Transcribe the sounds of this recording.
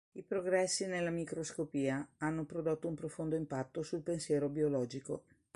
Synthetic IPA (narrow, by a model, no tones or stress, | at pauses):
ipɾoɡɾɛsːinelːamikɾoskopiːaanːopɾod̪ot̪ːoumpɾofond̪oimpat̪ːosulpensjɛːɾobiolɔːd͡ʒiko